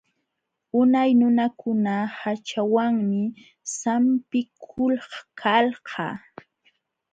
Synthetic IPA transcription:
ʊnajnʊnakʊnahat͡ʃawaŋmɪ | sampɪkʰʊlhkʰalhɑ̰

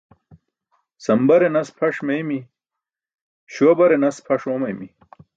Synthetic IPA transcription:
sɐmbɐɾenɐspʰɐʂmɐjmi | ɕwɐbɐɾenɐspʰɐʂomɐjmi

